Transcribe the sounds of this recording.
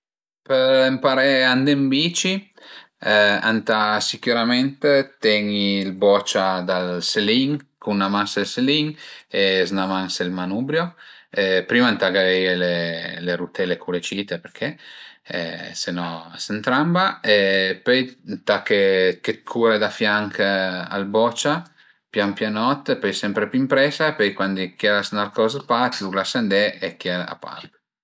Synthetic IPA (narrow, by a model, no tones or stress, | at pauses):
peɾempaɾeand̪embit͡ʃi | ɛant̪asikjuɾament̪et̪ɛɲilbɔt͡ʃad̪alseliŋkunːamaŋselseliŋeznamanselmanubɾjoepɾimant̪aɡavɛjeleleɾut̪ɛlekʰulet͡ʃit̪epeɾkʰḛ | senɔsent̪ɾambaepøjnt̪akeket̪kʰuɾed̪afjaŋka̰lbɔt͡ʃa | pjampjanɔt̪ːepɔjsɛmpɾepuimpɾɛsaepɔjkwand̪ikjɛɾasnalkɔzapat̪lulasand̪ɛekjɛla̰pa̰ɾt̪